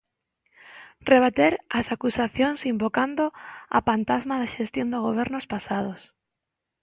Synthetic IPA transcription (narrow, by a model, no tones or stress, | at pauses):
reβ̞at̪eɾasakusaθjoŋsimbokand̪oa̰pant̪azmaðaʃest̪jond̪oɣoβ̞ɛɾnʊspasað̞os